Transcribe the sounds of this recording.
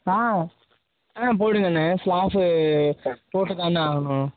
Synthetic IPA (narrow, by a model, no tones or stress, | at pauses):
aː | ãːp̬oːɽɯŋɡɐnːɐslaːfɯ | poːʈːɯk̪ːanːaːɣɐɳʊ̃